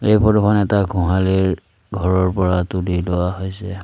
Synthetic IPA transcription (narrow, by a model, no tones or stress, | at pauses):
ejpʰɔtɔkʰɔnɛtaɡʱũɦaliɹ | ɡʱɔɹɔɹpɔɹatulilɔwaɦojsɛ